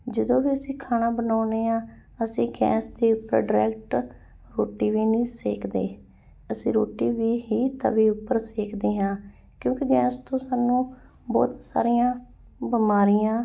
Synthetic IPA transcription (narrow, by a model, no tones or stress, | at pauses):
d͡ʒəd̪õːʋiːəsĩːkʰaːnaːbənaːneːãː | əsĩːɡɛ̰ːsd̪eːʊpːəɾɖɪɾɛ̰ːk̚ʈ | ɾoːʈiːʋiːnĩːseːkʰd̪ḛː | əsĩːɾoːʈiːʋiːɦiːt̪a̰ʋiːʊpːəɾseːkd̪eːɦãː | kjõːkiɡɛːst̪õːsaːnũː | bɔ̰ːt̪sa̰ːɾijãː | bəmaːɾijãː